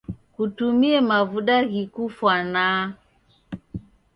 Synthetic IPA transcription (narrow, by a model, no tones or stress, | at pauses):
kutumiɛmavuɗaɣikufwana